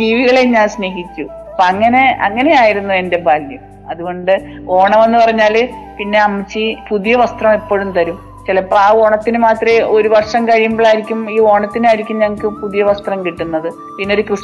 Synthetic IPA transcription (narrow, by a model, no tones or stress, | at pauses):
d͡ʑiːʋiɣɐɭeɲːaːlsne̞ːɦit͡ɕʲːu | ɐpɐŋːɐne̞ɐ̰ŋːɐne̞jaːjiɾunːue̞nde̞bʱaːljɐm | ɐðuɣo̞ɳɖɨ | o̞ːɳɐmɐnːupɐrɐɲːaːl | pinːe̞ɐmːɐt͡ɕːɨpuðijɐʋɐst̪rɐmepːo̞ːɻumt̪ɐɾum | t͡ɕilɐpraːʋo̞ːɳɐt̪ːinɨmaːt̪rɐo̞ɾuʋɐrʂɐmkɐɻijumboːɭaːjiɾikʲːumiːo̞ːɳɐt̪ːinaːjiɾikʲːumɲɐŋːɐkʲːɨpuðijɐʋɐst̪rɐmkiʈːunːɐðɨ | pinːeo̞ɾukrɨs